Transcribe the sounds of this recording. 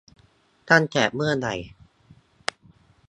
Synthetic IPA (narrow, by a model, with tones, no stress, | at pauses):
kʰaː˥˨nkʰɛː˩p̚mɯ˥˩ɐna˨˩j